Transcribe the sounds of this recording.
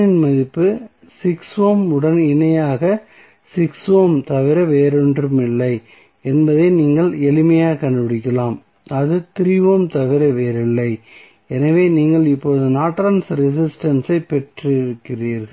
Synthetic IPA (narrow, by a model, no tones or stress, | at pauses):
ɪnmɐðɪpːɯ | sɪksʋoːmɯɽɐnɪnɐjaːɣɐ | sɪksʋoːmt̪ɐʋɪɾɐʋeːɾɛndrɯmɪlːɐɪ | ɛnbɐðeɪniːŋɡɐɭɛlɪmɐjaːkɐɳɖɯbɪɽɪkːɐlaːm | ɐðɯt̪ɪɾɪʋoːmt̪ɐʋɪɾɐʋeːɾɪlːɐɪ | ɛnɐʋeːniːŋɡɐɭɪpːoːðɯnaːʈːɾɐnsɾɪs̬ɪsʈɐnsɐɪpɛʈrɪɾɯkːɪriːɾɣɐɭ